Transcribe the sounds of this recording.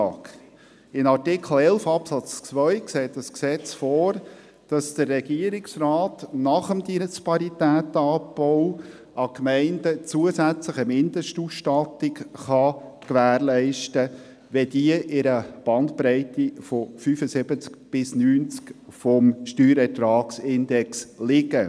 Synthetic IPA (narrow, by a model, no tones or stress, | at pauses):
k | ɪnɑtɪkχl̩ɛlfɑpsɑt͡st͡svœʏkseːtdəsksɛt͡sfɔːɾ | d̥ɑsd̥ərːɛɡiəɾɪksraːtnɑχəmd̪inspɑɾitæːt̪ɑːpːɔʊ | ʔɑkmɛɪndət͡suəsæt͡sləχəmɪnd̥̪əʃtuːsʃtɑtɪkχɑkʋæːɾlɛɪʃtə | ʋɛdiəʔɪɾəb̥ɑntpɾɛɪtifɔfyːfəsɪbət͡skb̥ɪsnyːnt͡skfɔmʃtyːɾɛtɾɑːksɪndɛkslɪɡə